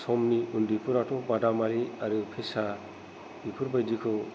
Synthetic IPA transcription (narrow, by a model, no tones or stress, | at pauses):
sɔmniʔundipʰuɾaʈʰobadamaɾiaɾupʰesa | bipʰuɾbajd͡ʒikʰo